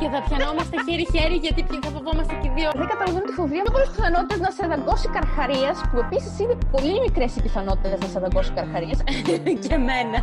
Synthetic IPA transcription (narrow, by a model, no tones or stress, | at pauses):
ceθɐpçɐno̞mɐst̪eçeɾiçeɾiʝɐt̪ipçiθɐfovo̞mɐst̪eciðioðeŋɡɐt̪ɐlɐveunt̪ifo̞vɾiɐpolespiθɐno̞t̪it̪eznɐseðɐŋɡo̞sikɐɾxɐɾiɐspue̞pisisinepo̞limikɾe̞sipiθɐno̞t̪i̥t̪eeznɐseðɐɡo̞si̥kɐɾxɐɾiɐscemenɐ